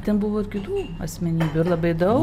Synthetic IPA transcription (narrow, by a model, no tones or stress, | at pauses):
t̪ʲɛnbʊʋoːɪrkʲɪt̪uː | ɐ̰sʲmʲɛnʲiːbʲuːɪɾlˠɐbɐɪd̪ɐʊ